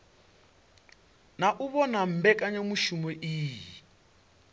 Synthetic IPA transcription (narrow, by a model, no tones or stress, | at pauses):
naʔuβɔnam̩bɛkʼaɲamuʃumɛʔiːji